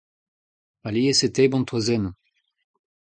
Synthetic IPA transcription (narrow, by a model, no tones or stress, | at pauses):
alieset̪ebɔ̃nt̪wazɛn